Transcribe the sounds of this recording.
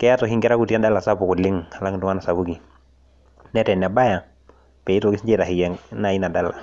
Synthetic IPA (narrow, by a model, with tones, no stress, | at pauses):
kɛ˦ja˦tɔ˨ɦi˦ŋɡɛ˦ɾa˦ku˨ti˦a˦da˦la˨sa˦pu˨ku˨lɪ˦ŋa˨la˦ŋ˨duŋa˦na˨sa˨βu˦ki˨ | nɛ˦tɛ˨n˨a˨ba˦ja˨ | pɛ˨i˦tɔ˨ɡi˦sd͡ʒɛ˦˨ɾa˨hi˨jɛ˨na˨i˦na˨da˦la˨